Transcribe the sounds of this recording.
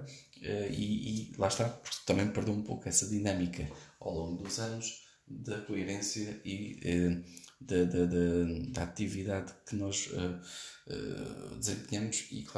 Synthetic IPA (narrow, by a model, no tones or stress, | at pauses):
ɛiilˠaʃt̪apuɾkt̪ɐmɐ̃j̃mpɨɾðewũpokɛsɐðinɐmikɐa̰wlˠõŋɡud̪uzɐnʊʃ | ðɐkuiɾẽsjɐiɛd̪ɐd̪ɐd̪ɐd̪ɐat̪iviðaðkɨnɔʒɛ̰ɛ̰d̪ɨzẽmpɲɐmʊʃḭkˠa